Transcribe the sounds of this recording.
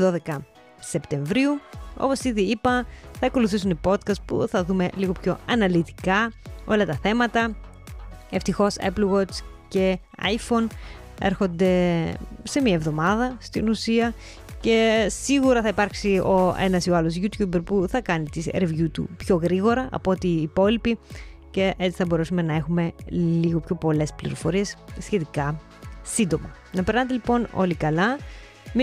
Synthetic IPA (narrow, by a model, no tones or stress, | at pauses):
ðo̞ðe̞kɐ | se̞pt̪e̞ɱvɾiuo̞̰po̞siðiipɐθɐːko̞luθisunipo̞t̪kɐst̪pṵθɐðume̞liɣo̞pço̞ɐnɐlit̪ikɐo̞lɐt̪ɐθe̞mɐt̪ɐ | e̞ft̪ixo̞sḛplɣot͡s | ce̞ | ɐ̰jfo̞n | e̞̰ɾxo̞nd̪e̞ | se̞miɐevðo̞mɐðɐst̪inusiɐ | ce̞siɣuɾɐθɐipɐɾksio̞e̞̰nɐsioɐlo̞zʝut̪jubɾpuθɐkɐnit̪isɾevʝut̪ṵpço̞ɣɾiɣo̞ɾɐʔɐ̰po̞t̪iːpo̞lipice̞ʔet͡si̥θɐbo̞ɾesume̞nɐe̞xume̞liɣo̞pço̞po̞le̞splḭɾo̞fo̞ɾie̞ssçe̞t̪ikɐ | sind̪o̞mɐ | nɐpeɾnɐset̪elipo̞no̞̰likɐlɐ | m